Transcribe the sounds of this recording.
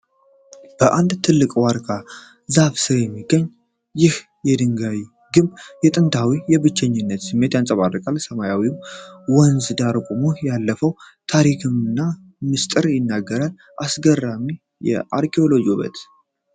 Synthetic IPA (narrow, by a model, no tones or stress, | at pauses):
b̥əʔand̪t̪ʰɨlːɨkʼwaɾkʰa | zaβsɨɾjɛmːiɡːəɲː | jɪh | jɛd̪ɨŋɡawi | ɡɨmjɛt̪ʼɨnt̪ʰawijɛβɨt͡ʃːɛɲːɪnːət̪sɨmːe̞t̪jansʼəβarːɨkʼalsəmajawimwɔnzd̪aɾkʷʼumujalːəfəwt̪ʰaɾikʰɨmɨnːa | mɨst̪ʼɨɾjɪnːaɡːəɾal | ʔasɡərːami | jɛ̰ʔaɾkʰeo̞lo̞d͡ʒoβə̰t̪